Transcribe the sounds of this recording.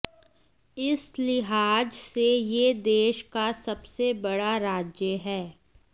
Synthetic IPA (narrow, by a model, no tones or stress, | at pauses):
ɪslɪɦaːd͡ʒsejed̪eːʃkasɐbsebɐɽaɾaːd͡ʒjəɦɛː